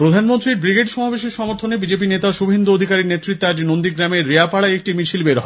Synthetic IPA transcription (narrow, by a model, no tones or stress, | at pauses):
pɾod̪ʱanmont̪ɾiɾbɾiɡeʈʃɔmabeʃiɾʃɔmoɾt̪ʰonebid͡ʑep̬inet̪aʃubʱend̪uod̪ʱikaɾiɾnet̪ːɾit̪ːead͡ʑnond̪iɡɾameɾːeapaɽaek̚ʈimit͡ɕʰilbeɾɦɔ